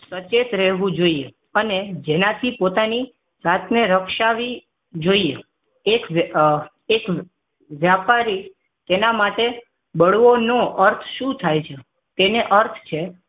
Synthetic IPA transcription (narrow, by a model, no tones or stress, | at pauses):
sət͡ʃet̪ɾɛɦʋũd͡ʒoie | əned͡ʒenat̪ʰipot̪ani | zat̪neɾəkʃaʋi | d͡ʒoie | ek | ek | ʋjapaɾi | t̪enamaʈe | bəɽʋonoʔəɾt̪ʰʃũt̪ʰajt͡ʃʰe | t̪eneʔəɾt̪ʰt͡ʃʰe